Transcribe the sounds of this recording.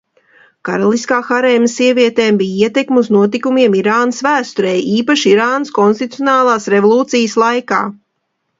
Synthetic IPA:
kaɾalˠiskaːxaɾɛːmsiɛviɛt̪ɛːmbijiɛt̪ɛkmuznuɔt̪̬ikumiɛmiɾaːnəsvæːst̪uɾɛjiːpaʃiɾaːnəskɔnst̪it̪ujonaːlˠaːsɾevolˠuːt̪sijəslˠajkaː

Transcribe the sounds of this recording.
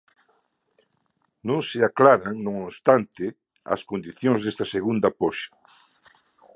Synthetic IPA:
nõŋsɪaklaɾɐŋnõŋost̪ant̪ɪ | ɐ̰skond̪iθjõŋzðest̪ɐseɣund̪ɐpoʃɐ̥

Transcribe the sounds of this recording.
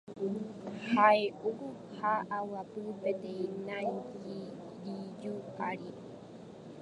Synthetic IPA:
haeʔuku | haʔawapɨpet̪eĩnãiki | ɾijuaɾi

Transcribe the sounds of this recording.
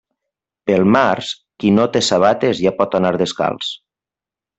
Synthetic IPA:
pelˠmaɾs | kinot̪esaβ̞at̪ezjapɔt̪anaɾðeska̰lˠs

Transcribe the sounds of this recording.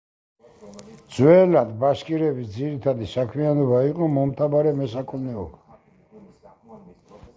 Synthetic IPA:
d̪zwɛlad̪baʃkʼiɾɛbisd̪ziɾit̪ʰad̪isakʰmianɔbaiqʼɔmɔmt̪ʰabaɾɛmɛsakʰʼɔmnɛɔba

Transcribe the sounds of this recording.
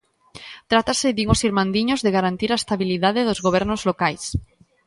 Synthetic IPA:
t̪ɾat̪asɪd̪iŋosiɾmãnd̪iɲozðeɣaɾant̪iɾaest̪aβiliðaðeðozɣoβ̞ɛɾnozlokajs

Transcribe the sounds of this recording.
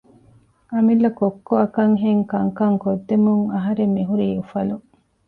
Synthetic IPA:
ɐmilːɐkokːoɐkɐŋɦeŋkɐŋkɐŋkod̪ːemuŋɐɦɐɾemːiɦuɾiːufɐlu

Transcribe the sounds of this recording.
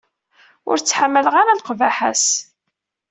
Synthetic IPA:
ʊ̰ɾt͡sːħamːələʁaɾalqvæħa̰s

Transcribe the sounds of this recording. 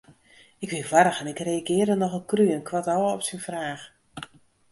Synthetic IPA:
ɪkʋɪvaɾəxɛnɪkrejaɡɪːərdənɔxəkryənkʰwatɔwɔpsinfraːx

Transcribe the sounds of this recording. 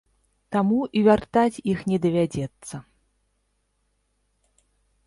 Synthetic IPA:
t̪amuʔivʲart̪at͡sʲixnʲɛd̪ɐvʲad͡zʲɛt̪sːɐ

